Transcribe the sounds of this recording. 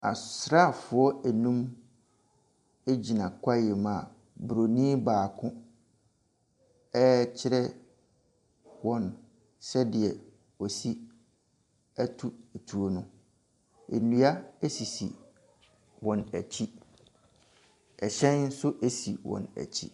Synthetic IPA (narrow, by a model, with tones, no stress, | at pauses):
a̰˨sɾa˦˨fʊ˨ɔ˦ɛ˨nũ˦m | e˦d͡ʑi˨nã˨kʷʰa˦jɛ˨mã˨ | bɾo˨nĩː˦baː˨kʰʊ̃˦ | ɛ˦t͡ɕʰɪ˦ɾɛ˦ | wɔ̃˨n | sɛ˦dɪ˨ɛ˨ | ɔ˨si˦ | æ˦tʰu˦˨tʰu˨o˨nʊ̃˦ | ḛ˨nũ˦a˦e˦si˨sḭ˨ | wɔ̃˨næ˨t͡ɕʰi˦ | ɛ˨ɕɛ̃˦nn̩˦sʊ˦ʔe˦si˨wɔ̰̃˨næ̰˨t͡ɕʰḭ˦